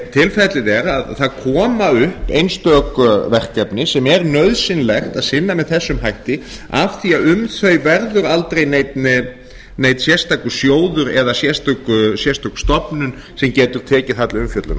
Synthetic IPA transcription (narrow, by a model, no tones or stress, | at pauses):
t̪ʰɪlfɛt̪lɪðɛɾaðθaðkʰɔːmaʏhpḛjnst̪œːkvɛr̥kɛpnɪsɛmɛɾnœɥðsɪnlɛxt̪aðsɪnːamɛðθɛsːʏmɦajht̪ɪ | afθiaðʏmθœɥjvɛɾðʏɾalt̪ɾejnejt̪nɪ | nejt̪nsjɛst̪akʏsjoːwðʏɾɛðasjɛst̪akʏsjɛst̪akst̪ɔpnʏn | sɛmcɛːt̪ʏɾ̥t̪ʰɛːcɪθat̪lʏmfjœt̪lʏ̰na